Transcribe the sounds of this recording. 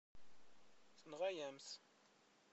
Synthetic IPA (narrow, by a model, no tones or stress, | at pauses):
θənʁæjæmθ